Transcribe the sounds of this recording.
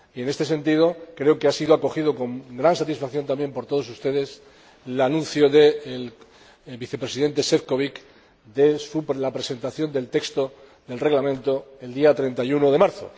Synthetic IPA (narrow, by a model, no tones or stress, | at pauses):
ie̞ne̞st̪e̞se̞nt̪ið̞o̞kɾe̞okeasiðoako̞xiðo̞ko̞ŋɡɾansat̪isfakθjo̞nt̪ambje̞mpo̞ɾt̪o̞ð̞o̞s̬ust̪e̞ðe̞s | lanũn̟θjo̞ðe̞ːl | biθe̞pɾesiðe̞nt̪e̞sefko̞βik | d̪e̞suplapɾe̞se̞nt̪aθjo̞nd̪e̞lt̪e̞kst̪o̞ | ðe̞lre̞ɣlamẽ̞nt̪o̞e̞ld̪iat̪ɾe̞nt̪ajuno̞ðe̞maɾθo̞̰